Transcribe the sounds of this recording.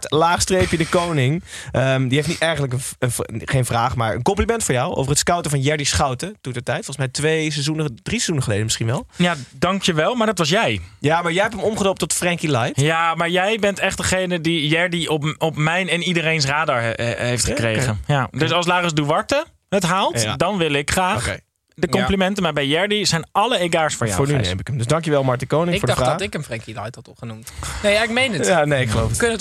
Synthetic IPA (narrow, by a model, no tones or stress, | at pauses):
laːχstrejpjədəkownɪŋ | ʔəmdiɦeftnitɛrχəntləkənənχejnfraːχma̰ɹə̰nkɔmplimɛntfʊːɹjɔwʔo̰vərətskawtəfɑnjɛɹdisχawtətutətɛjtfɔlˠəsmɛjtʋejsezunəd̥risezundəχəleːdəmɪsχinʋɛlˠjadɑŋkjəʋɛlˠmaɹdɑtʋɑs̬jɛjjamaɹjɛjɦɛptəmɔmχədɔp̚tɔtfrɛŋkilajtjamaːɹjɛjbɛntɛχt̚dəχejnədijɛɹdiɔpɔpmɛjnɛnidəɾejns̬raːdəɹejftχəkrejχənjaddøs̬ɑlˠslaːχəsduʋɑɹtə | ɦətɦaːlˠtdɑnʋɪlˠɪkχraːχḛ | dəkɔmplimɛntəmaːɹbɛjjɛɹdizɛjnʔɑləeɡaːɹsfɔɹjfa̰ʊːɹnynḛjmɪkəmdəsdɑŋkjəʋɛlˠmɑɹtəkownɪŋɪɡfʊɹddɔtɪkənfrɛŋkilajtɑtɔχənumtnejaɪkmejnətjanejɪkχəlowfəkønət